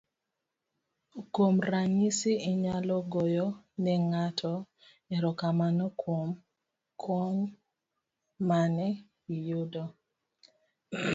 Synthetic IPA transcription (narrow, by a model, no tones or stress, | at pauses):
komraɲisiiɲalɔɡojɔnɛŋatʰɔ | ɛɾɔkamanɔkwom | kʰɔɲ | manɛ | ijudɔ